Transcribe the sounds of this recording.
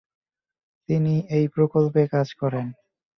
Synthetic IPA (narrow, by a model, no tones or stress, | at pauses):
t̪iniejpɾokolpekad͡ʑkɔɾen